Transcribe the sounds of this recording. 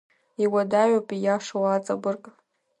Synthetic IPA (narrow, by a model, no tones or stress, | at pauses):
iwadaɥopʼijaʂowat͡sʼabɨrkʼ